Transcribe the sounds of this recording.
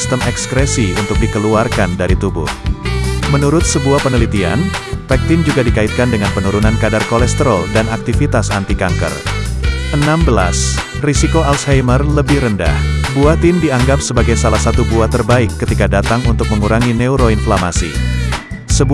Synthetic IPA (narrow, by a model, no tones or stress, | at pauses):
st̪əmɛkskɾɛsiunt̪ʊk̚dikəluarkandaɾit̪ubʊ̰h | mənuɾʊt̪̚səbuahpənəlit̪ia̰npɛk̚t̪ɪnd͡ʒuɡadikaɪt̪̚kandəŋanpənuɾunankadarkolɛst̪əɾodanak̚t̪ifit̪asant̪ikaŋkə̰r | ʔənambəla̰s | risikoalshajmərləbɪhɾənda̰hbuat̪ɪndiaŋɡap̚səbaɡajsalahsat̪ubuat̪ːərbaɪkːət̪ikadat̪aŋunt̪ʊk̚məŋuɾaŋinɛuɾoinflamasḭ | səb